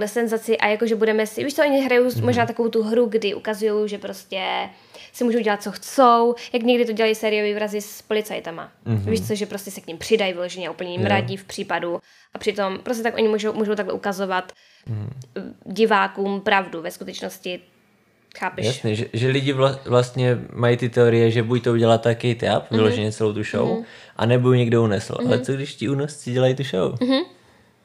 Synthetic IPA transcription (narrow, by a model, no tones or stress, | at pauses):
tlɛsɛnzat͡sɪʔajakoʒɛbudɛmɛsɪviːʃt͡soɛʔoɲɪɦɾajowmo̞ʒnaːt̪akovowt̪uɦɾuɡdɪʔukazujo̞wʒɛpɾo̞scɛ | sɪmuːʒowɟɛlat̪̚t͡so̞xt͡sowjakɲɛɡdɪt̪oɟɛlajisɛːɾɪjoviːvɾazɪspo̞lɪt͡sajt̪ama̰viːʃt͡soʒɛpɾo̞scɛsɛkɲɪmpr̝̥ɪdajvɪlo̞ʒɛɲɛʔupl̩ɲɛmɾaɟɪfpr̝̥iːpadu | ʔapr̥ɪt̪o̞mpɾos̬cɛt̪akʔo̞ɲɪmuʒowmuːʒowt̪aɡlɛ̰ʔukazovat̪̩ | ɟɪvaːkuːmpɾavduvɛskut̪ɛt͡ʃnoscɪ | xaːpɛjaʃsnɛʒɛʒɛlɪɟɪvlavlast̪ɲɛmajit̪ɪt̪ɛoɾɪjɛʒɛbuj̚t̪ouɟɛlat̪ːakɛjt̪a̰pvɪloʒɛɲɛt͡sɛlowt̪uʃo̰wʔa̰nɛbojuɲɛɡdounɛsl̩ʔa̰lɛt͡soɡdɪʃcɪunast͡sɪɟɛlajt̪uʃowmɦ̩